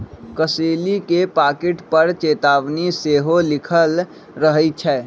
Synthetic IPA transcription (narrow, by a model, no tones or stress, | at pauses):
kəseːlikepaːkeʈpəɾt͡ʃeːt̪aːʋniseɦolɪkʰəl | ɾəɦət͡ʃʰɛː